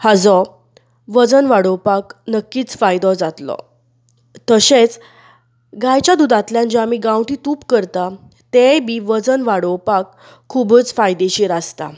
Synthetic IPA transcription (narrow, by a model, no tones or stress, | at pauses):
had͡zɔ | ʋəd͡zənʋaɽɔwpaknəkːiːt͡sfajd̪ɔd͡zat̪lɔ̰ | t̪əɕet͡s | ɡajt͡ɕad̪ud̪at̪ljãnd͡ʑamiɡãwʈiːt̪uːpkəɾt̪a | t̪ebiʋəd͡zənʋaɽɔwpakʰː | ubət͡sfajd̪eɕiɾast̪a̰